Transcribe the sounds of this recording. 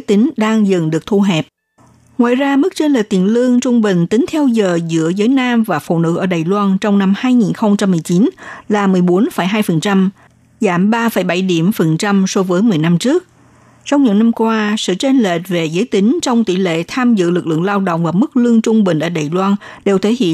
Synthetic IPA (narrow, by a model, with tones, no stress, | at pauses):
ə˨˦jt̪ï˨˦ŋ̟ɗaː˧ŋzɨ˨˩ŋɗɨ˨˩ək̚t̪ʰu˧ɦɛ˨˩p̚ | ŋwa̰ː˧˨jzaː˧mɨ˦˥k̚t͡ɕe˧nlḛ˨˩t̪ḭ˨˩ənlɨ˧əŋt͡ɕʊ˧ŋ͡mɓï˨˩ŋ̟t̪i˨˦ŋ̟t̪ʰɛ˧wzəː˨˩zɨ̰˧˥əzəː˨˦jnaː˧mvaː˨˩fṵ˧˨nɨ̰˧˥ʔəː˧˩ɗaː˨˩jlwaː˧nt͡ɕɔ˧wŋ͡mna˧mhaː˧jŋi˨˩nxə˧wŋ͡mt͡ɕa˧mːɨ˨˩əjt͡ɕi˨˦nlaː˨˩mɨ˨˩əjɓo˨˦nfə˧˩jɦaː˧jfə˨˩nt͡ɕa˧m | zaː˧˩mɓaː˧fə˧˩jɓa˧˩jɗi˧˩əmfə˨˩nt͡ɕa˧mso˨˦vəː˨˦jmɨ˨˩əjna˧mt͡ɕɨ˦˥ək̚ | t͡ɕɔ˧wŋ͡mɲɨ̰˧˥ŋna˧mkwaː˧sɨ̰˧˨t͡ɕe˧nle˨˩t̚ve˨˩zəː˨˦jt̪ï˨˦ŋ̟t͡ɕɔ˧wŋ͡mt̪ḭ˧˥lḛ˧˨t̪ʰaː˧mzɨ̰˧˨lɨ˨˩k̚lɨ̰˧˨əŋlaː˧wɗo̰˧˨wŋ͡mvaː˨˩mɨ˦˥k̚lɨ˧əŋt͡ɕʊ˧ŋ͡mɓï˨˩ŋ̟ʔəː˧˩ɗaː˨˩jlwaː˧n | ɗe˨˩wt̪ʰe˨˦hḭ˧˨